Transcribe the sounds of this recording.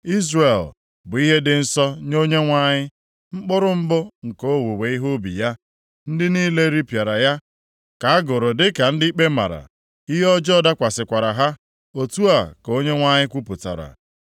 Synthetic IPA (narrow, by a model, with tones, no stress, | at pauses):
i˦zre˨l | bʊ˨i˦ɦe˦dɪ˨n̩˦sɔ˦ɲo˦ɲe˦ŋʷa˦ɲɪ˦ | ŋ͡m̩˦k͡pʊ˦ɾʊ˦m̩˦bʊ˦ŋ̩˨ko˦wu˨we˨i˦ɦo˦bḭ˨ja˦ | n̩˦dɪ˦niː˦le˦ɾi˦pja˨ɾa˨ja˦ | ka˨a˦ɡʊ˨ɾʊ˨dɪ˦ka˨n̩˦dɪ˦i˦k͡pe˦ma̰˨ɾa̰˨ | i˦ɦɔ˦d͡ʒɔ˦da˦kʷa˨sɪ˨kʷa˨ɾa˨ɦa˦ | o˨tu˦a˨ko˦ɲe˦ŋʷa˦ɲɪ˦kʷu˦pʊ˨ta̰˨ɾa̰˨